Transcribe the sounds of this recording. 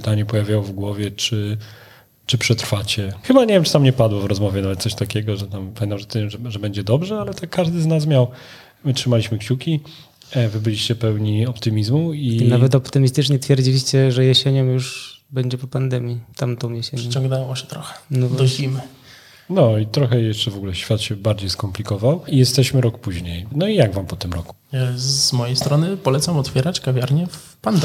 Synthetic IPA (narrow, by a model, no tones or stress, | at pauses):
pɨt̪aɲɛpɔjavʲjawɔvɡwɔvʲjɛt͡ʂɘ | t͡ʂɘpʂɛt̪ɾfat͡ɕɛxɘbaɲevʲjɛmt͡ʂɨ̥t̪amɲɛpad̪wɔvɾɔzmɔvʲjɛnavɛt̪sɔɕt̪akʲɛɡɔʐɛt̪ampamʲɛ̃nt̪amʐɛt̪ʐɛʐɛbɛɲd͡ʑɛd̪ɔbʐɛalɛt̪ɛkːaʐd̪ɘznas̬mʲjaw | mɘtʂɘmalʲiɕmɘkɕukʲi | vɘbɘlʲiɕt͡ɕɛpɛwɲiɔpt̪ɘmʲizmuinavɛt̪̬ɔpt̪ɘmʲist̪ɘt͡ʂɲɛt̪fʲjɛɾd͡ʑilʲiɕt͡ɕɛʐɛjɛɕɛɲɔmjuʂbɛɲd͡ʑɛpɔpand̪ɛmʲjit̪amt̪ɔ̃w̃jɛɕɛɲɛ̃t͡ɕɔŋɡnɛwɔɕɛ̥t̪ɾɔxɛ̥nɔvd̪ɔim | nɔit̪ɾɔxɛjɛʂt͡ʂɛvɔɡulɛɕfʲjat̪ɕɛbaɾd͡ʑejskɔmplʲikɔvawijɛst̪ɛɕmɘɾɔkpuʑɲejnɔijaɡvampɔt̪ɘmɾɔ̰ku̥z̥mɔjejst̪ɾɔnɘpɔlɛt̪samɔt̪fʲjɛɾat͡ɕkavʲjaɾɲɛf | pand̪